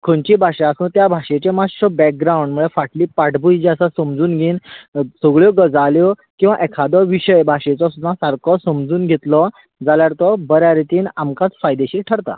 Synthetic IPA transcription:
kʰoɳt͡ɕiːbʱaʂẽasũːnt̪jabʱaɕet͡ɕemaʈɔbɛk̚ɡɾawɳɖməɭefaʈliːpaʈbud͡ʑiasasəmd͡zuːnɡʱiːnsəɡɭjɔɡəd͡zaljɔkĩw̃ʋãʔɛkʰad̪ɔʋiɕəjbʱaʂet͡sɔsud̪ʱãsaɾkʰɔsəmd͡zuːnɡʱet̪lɔ | d͡zaljaɾt̪ɔbəɾjaɾit̪iːnamkãt͡sfajd̪eɕiːʈʰəɾt̪a̰

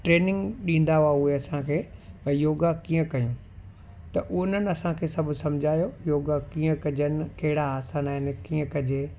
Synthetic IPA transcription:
ʈɾeːnɪ̃ŋɡɗĩːn̆d̪aʊaʊɦeɐsãkʰeːbɐjoːɡakiːə̃kɐjũ | t̪ɐʔʊn̤ənɪ̆ɐsãkʰeːsɐbʱʊsɐmd͡ʑʱaːjojoːɡakiːə̃kɐd͡ʑənɪ̆kɐɦɪɽaaːsaːnaːɦɪnɪ̆kiːə̃kɐd͡ʑeː

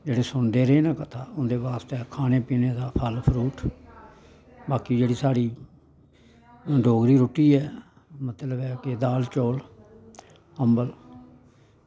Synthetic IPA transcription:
d͡ʒeːɽeːsʊnd̪eːɾeːnãːkət̪ʰaːʊnd̪eːbaːst̪eːkʰaːneːpiːneːd̪aːpʰəlpʰəɾuːʈ | baːkiːd͡ʒeːɽiːsaːɽiː | ɖʱoːɡɾiːɾoːʈiːɛː | mət̪ləbɛːkɪd̪aːlt͡ʃoːl | əmbəl

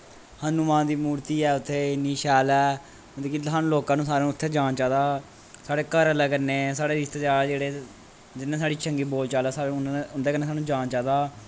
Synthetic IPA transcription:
hanːũːmãːnd̪iːmuːɾt̪iːɛːʊt̪ʰːeːɪnːiːʃɛːlɛː | d̪eːkisaːnũːloːkãːnũːsaːɾẽːʊt̪ʰːeːd͡ʒaːnt͡ʃaːd̪aː | saːɽeːkəɾələɡənːeːsaːɽeːɾɪst̪eːd͡ʒaːd͡ʒeːɽeː | d͡ʒɪnːẽːsaːɽiːt͡ʃʰəŋɡiːboːlt͡ʃaːlaːsaːʊnd̪eːkənːeːsaːnũːd͡ʒaːnt͡ʃaːd̪aː

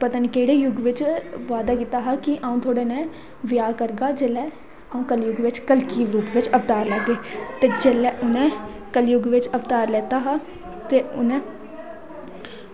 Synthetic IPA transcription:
pət̪aːnikeːɽeːjʊɡʋɪt͡ʃʋaːd̪aːkiːt̪aːɦaːkɪʔaːũːt̪ʰoːɽeːnɛ̃ː | ʋɪjaːkəɾɡaːd͡ʒelɛː | aːũːkəljʊɡʋɪt͡ʃkəlkiːʋʊɡʰʋɪt͡ʃəʋt̪aːɾlɛɡɡeːt̪eːd͡ʒeːlɛːʔʊnẽː | kəljʊɡʋɪt͡ʃəʋt̪aːɾlɛːt̪aːɦaː | t̪eːʊnẽː

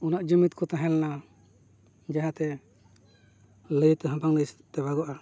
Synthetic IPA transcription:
unaʔd͡ʒəmit̪kɔt̪aɦɛ̃lna | d͡ʒaɦãt̪ɛ | ləjt̪ɦãpaŋləjst̪ɛbaɡɔʔa

